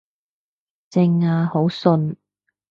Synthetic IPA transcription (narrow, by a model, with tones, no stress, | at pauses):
t͡sɪ˧ŋaː˧ho˨˥wsɵ˧n